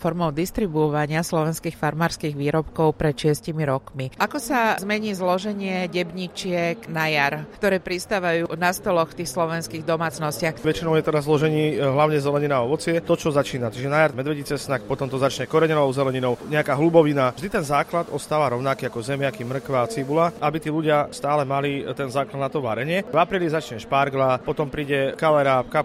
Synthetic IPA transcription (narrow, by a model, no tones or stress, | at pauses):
fɔɾmɔʊd̪ist̪ɾibuɔʋaɲɪaslɔʋɛnskiːxfaɾmaːɾskiːɣʋiːɾɔpkɔʊpɾɛt̪ʃɪɛscimiɾɔkmiʔakɔsazmɛɲiːzlɔʒɛɲɪɛɟɛbɲit͡ʃɪɛknajaɾkt̪ɔɾɛːpɾist̪aːʋajuːnast̪ɔlɔxft̪iːxslɔʋɛnskiːɣd̪ɔmaːt͡snɔscɪaxʋɛt͡ʃinɔʊjɛt̪ɛd̪azlɔʒɛɲiːɦlaʊɲɛzɛlɛɲinaɔʋɔt͡sɪɛt̪ɔt͡ʃɔzat͡ʃiːnat͡ʃiʒɛnajaɾmɛd̪ʋɛɟit͡sɛsnakpɔt̪ɔmt̪ɔzat͡ʃɲɛkɔɾɛɲɛnɔʊzɛlɛɲinɔʊɲɛakaːɦlubɔʋinaʒd̪it̪ɛnzaːklad̪ɔst̪aːʋaɾɔʊnakiakɔzɛmɪakimr̩kʋaːt͡sibulaʔabit̪iːluɟɪast̪aːlɛmalit̪ɛnzaːklad̪nat̪ɔʋa̰ɾɛɲɪɛvapɾiːlizat͡ʃɲɛʃpaɾɡlapɔt̪ɔmpɾiːɟɛkalɛɾaːpka